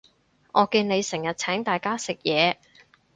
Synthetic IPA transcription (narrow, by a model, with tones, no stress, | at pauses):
ʔɔː˨˧kiː˧nne˨˧jsɪ˨˩ŋjɐ˨t̚t͡sʰɛː˨˥ŋt̪aː˨˩jkaː˥sɪ˨k̚jɛː˨˧